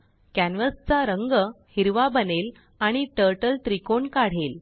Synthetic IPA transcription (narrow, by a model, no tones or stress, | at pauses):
kænʋəst͡saɾəŋɡəhiɾʋabənel | aɽ̃iʈəɾʈəlt̪ɾikoɳkaɽ̤el